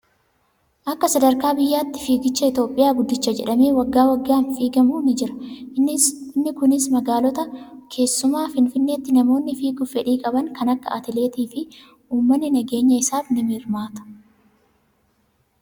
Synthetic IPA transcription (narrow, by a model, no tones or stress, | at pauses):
ʔɐkːɐsɐd̪ɐɾkaːbɪjːaːt̪ːɪ̥fiːɡɪt͡ʃːɐɪt̪o̞ːpʼːɪjaːɡʊd̪ːɪt͡ʃːɐd͡ʒɛᶑɐme̞ːwɐɡːaːwɐɡːaːnfiːɡɐmuːnɪd͡ʒɪɾɐ̥ | ɪnːɪkʊnɪsmɐɡaːlɔt̪ɐkʰe̞ːsːʊmaːfɪnfɪnːe̞ːt̪ːɪnɐmo̞ːnːɪfiːɡʊfɛᶑiːkʼɐbɐŋkɐnɐkːɐɐ̰t̪ɪle̞ːt̪iːfɪ | ʔuːmːɐnːɪnɐɡe̞ːɲːɐɪsaːfnɪmɪɾmaːt̪ɐ̥